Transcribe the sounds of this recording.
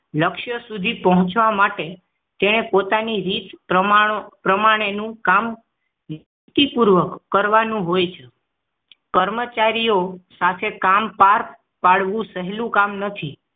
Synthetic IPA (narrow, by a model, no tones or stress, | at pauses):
ləkʃjəsud̪ʱipəɦɔ̃t͡ʃʋamaʈe | t̪eɽ̃epot̪aniɾit̪pɾəpɾəmaɽ̃enũkam | n | t̪ipuɾʋəkːəɾʋanũɦojt͡ʃʰe | kəɾmət͡ʃaɾijosat̪ʰekampaɾ | paɽʋũsəɦɛlũkamnət̪ʰi